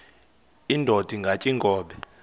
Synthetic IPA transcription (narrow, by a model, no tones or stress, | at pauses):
indʱod̥ʱiŋɡʱat͡ʃʼiŋɡʱʼɔːɓɛ